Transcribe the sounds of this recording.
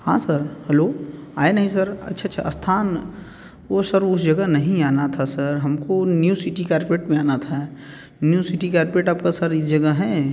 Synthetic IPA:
hã̰ːsəɾhɛloːaːenɐɦĩsəɾɐ̰tːʃʰaːʃʰa̰ɐst̪ʰaːn | osəɾʊs̬d͡ʒɐɡəɦnɐɦĩaːnat̪ʰasəɾɦɐmkonjuːsiʈikaːɾpeːʈmẽaːnat̪ʰa | njuːsiʈikɛːɾpeːʈaːpkasɐɾɪsd͡ʒɐɡəɦɛː

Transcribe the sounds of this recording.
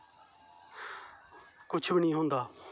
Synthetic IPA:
kʊt͡ʃʰbɪnĩːɦõːnd̪aː

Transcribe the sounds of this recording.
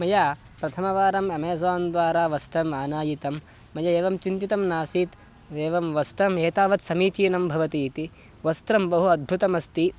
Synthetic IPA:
mɐjaː | pɾɐt̪ʰɐmɐʋaːɾɐmɐmeːs̬aːnd̪ʋaːɾaːʋɐst̪ɾɐmaːnaːjit̪ɐmː | ɐjɐeːʋɐmt͡ʃint̪it̪ɐmnaːsiːt̪ | eːʋɐmʋɐst̪ɾɐmeːt̪aːʋɐt̪sɐmiːt͡ʃiːnɐmbʱɐʋɐt̪it̪i | ʋɐst̪ɾɐmbɐɦuɐd̪̚bʱut̪ɐmɐst̪i

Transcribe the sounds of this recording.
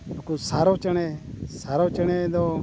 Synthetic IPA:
ũkuːsaːɾoːt͡ʃəɳeːsaːɾoːt͡ʃəɳ̃eːd̪oː

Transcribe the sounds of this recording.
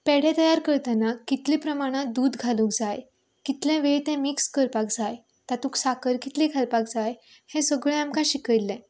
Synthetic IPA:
pɛɽ̤ɛ̃t̪əjaɾkəɾt̪anakːit̪lipɾəmaɽ̃ad̪uːd̪ɡʱalũːkd͡zaj | kit̪lɛ̃ʋeɭt̪ɛ̃mikskəɾpakd͡zaj | t̪at̪ũksakəɾkit̪likʰalpak̚d͡zaj | hẽsəɡɭɛ̃amkãɕikəjlːɛ̃

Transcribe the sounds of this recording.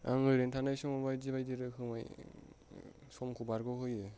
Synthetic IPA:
a̰ŋɯɾentʰanajsɔŋɔbajziβajdiɾɯkʰɯmaj | sɔmkʰubaɾɡɔɦɯjɯ

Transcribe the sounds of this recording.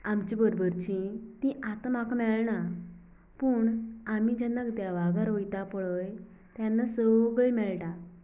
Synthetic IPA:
amt͡ɕĩbəɾobəɾt͡ɕĩt̪ĩʔat̪makmɛɭɳa | pəːɳam̤id͡ʑanəɡd̪jaʋaɡaɾojt̪apɭəj | t̪janːasəɡɭəjmɛɭʈa

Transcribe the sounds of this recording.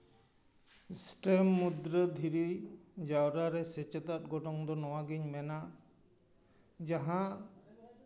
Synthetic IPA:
sʈemːud̪ɾəd̪ʱiɾid͡ʒawɾaɾɛsɛt͡ʃɛt̪at̪̚ɡɔʈɔŋd̪ɔnɔwaɡiɲmɛna | d͡ʒaɦã

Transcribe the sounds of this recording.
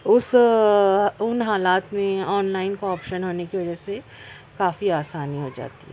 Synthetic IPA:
ʊs | ʊnɦaːlaːt̪mẽɔːnlaːɪnkoɔːpʃənɦoːnekiʋɐd͡ʒɛse | kaːfiaːsaːniɦod͡ʒa̰ːt̪iɦɛː

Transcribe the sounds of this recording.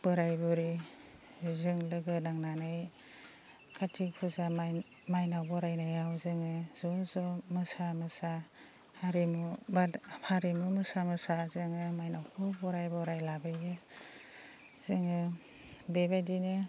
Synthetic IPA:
pɯɾajbɔɾi | zɯŋlɯɡɯnaŋnanɯj | kʰatʰik̚pʰuzam | majnawbɔɾajnajawzɯŋɯzɔzɔmɯsamɯsa | haɾimubapʰaɾimumɯsamɯsazɯŋɯmajnawkʰɔbɔɾajbɔɾajlabɯjɯ | z̥ɯŋɯ | bebajdinɯ

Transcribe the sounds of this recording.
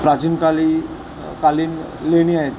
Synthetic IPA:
pɾat͡ɕinkali | kaliːn | leɽ̃iaɦet̪

